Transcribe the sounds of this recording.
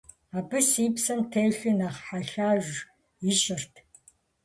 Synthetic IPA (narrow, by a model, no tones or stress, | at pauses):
aːbɨsiːpsɐntʰeːɬinaχħaɬaːʒʷ | iʃɪrtʰ